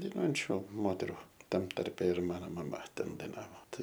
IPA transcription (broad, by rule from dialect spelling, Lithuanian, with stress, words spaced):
dɐɪˈnuɔjɛnʲt͡ʃʲʊ ˈmoːtʲɛrʊ ˈtɐm ˈtɐrʲpʲɛ ɪr ˈmɑːnoː mɐˈmɐ ˈtʲɛn dɐɪˈnɑːʋoː ˈtɐɪ